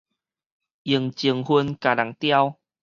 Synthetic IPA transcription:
ʔi˨˩əŋt͡ɕi˨˩əŋhwu˧nka˨˩la˨˩˦ŋt̪ja˧w

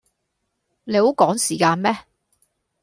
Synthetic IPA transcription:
le˨˧ho˨˥wkɔː˨˥ŋsiː˨˩kaː˧nmɛː˥

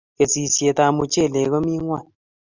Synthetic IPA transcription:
ke˨t͡si˨sje˨ta˧mu˧t͡ʃe˦˨le˨ɣɔ˦mi˦ŋwa˦˨n

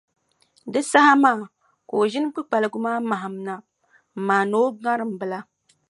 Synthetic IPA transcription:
dɨ˦sa˦ha˦maː˦˨ | ko˨ʒɪ˦n˦k͡pɨ˦k͡pa˨lɨ˨ɡu˦maː˦ma˨ɦa˨m˨na˦˨ | maː˨no˦ɡa˦ɾɨ˨m̩˨bɨ˨la˦

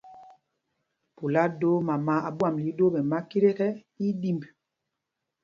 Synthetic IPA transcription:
pu˨la˦do˦ma˨ma˨˦a˨bwa˦˨mli˨˦do˦ɓɛ˨ma˦ki˦ɾe˦tɛ˦ | i˦di˦mb

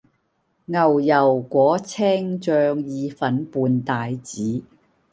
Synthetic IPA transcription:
ŋɐ˨wjɐ˨˩wkʷɔː˨˥t͡sʰɛː˥ŋt͡ʃœː˧ŋjiː˨˧fɐ˨˥npuː˨˧nt̪aː˨jt͡siː˨˥

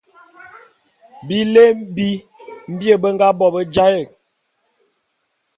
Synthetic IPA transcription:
bi˦le˦bi˦ | m̩˦bjə˦˨bə˦ŋɡa˦bɔ˨bə˦d͡ʒa˦jɛ˨k̚

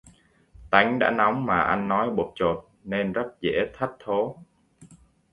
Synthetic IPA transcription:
t̪a˨˦jŋ̟ɗa̰ː˧˥na˨˦wŋ͡mmaː˨˩ʔa˧nːɔ˨˦jɓo˨˩t̚t͡ɕo˨˩t̚ne˧nzə˦˥t̚zḛ˧˥t̪ʰə˦˥t̚t̪ʰo˨˦

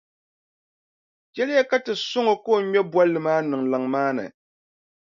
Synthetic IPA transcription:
kɛ˦lɨ˦ja˦ka˦tɨ˨sʊ˦ŋo˨ko˦˨ɲɛ˦bwa˦lɨ˨maː˦nɨ˨ŋla˨ŋmaː˦nɨ̰˨

